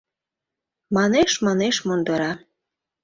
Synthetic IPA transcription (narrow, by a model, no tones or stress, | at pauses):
mɑneʃmɑneʃmond̪ɤɾɑ